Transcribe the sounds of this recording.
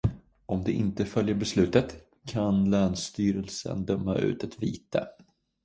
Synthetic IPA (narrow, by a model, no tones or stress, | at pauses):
ɔmd̪ɛʔɪnt̪əfœljəɾbɛslʉ̟ːt̪ət̪ | kʰanlœːnst̪yːɾəlsə̰nd̪œmːaʔʉ̟ːt̪ɛt̪viːt̪ə̰